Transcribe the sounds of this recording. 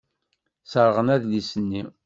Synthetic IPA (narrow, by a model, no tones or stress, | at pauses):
səɾˤʁənæðlisənːi